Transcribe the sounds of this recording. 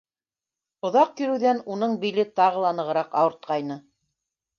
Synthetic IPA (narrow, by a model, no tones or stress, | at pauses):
ŏðɑq̚kiɾɘ̆wðænunɤɴbilɘt̪ɑʁɤlˠɑnɤ̆ʁɤ̆ɾɑqɑwɤ̆ɾt̪̚qɑjnɤ